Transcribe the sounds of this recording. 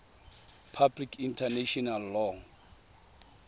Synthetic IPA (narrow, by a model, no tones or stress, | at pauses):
pʰablikʰintʰaneʃɔnalːɔŋ